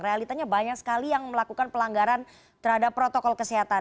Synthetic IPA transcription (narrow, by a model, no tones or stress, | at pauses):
realit̪aɲabaɲak̚sə̥kalijaŋməlakukanpəlaŋɡaɾan | t̪əɾhadapːɾot̪ɔkɔlkəsiɦat̪a